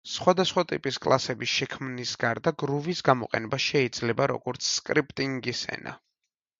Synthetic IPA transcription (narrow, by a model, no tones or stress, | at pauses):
sχwad̪asχwat̪ʼḭpʼiskʼlˠasɛbisʃɛkʰmnisɡaɾd̪aɡɾuvisɡamɔqʼɛ̰nɛbaʃɛid̪z̥lɛbaɾɔ̰ɡ̥ɔɾt̪sʰskʼɾipʼt̪ʼiŋɡisɛ̰na̰